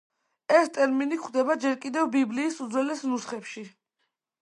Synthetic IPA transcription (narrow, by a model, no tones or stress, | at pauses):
ɛst̪ʼɛɾminikχd̪ɛbad͡ʒɛɾkʼid̪ɛvbibliːsud̪zwɛlɛsnusχɛpʃi